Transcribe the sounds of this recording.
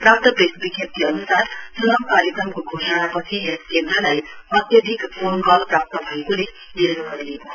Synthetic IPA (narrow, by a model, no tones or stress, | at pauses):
prap̚t̪ʌpɾesbiɡjʌp̚t̪iʌnusarsʌnʌmkaɾjʌkrʌmkoɡʱosʌnapʌt͡sʰiɦeskend̪ɾʌlajʌt̪jʌd̪ʱikponɡʌlprap̚t̪ʌbʱʌekole | niɾnʌɡʌɾileko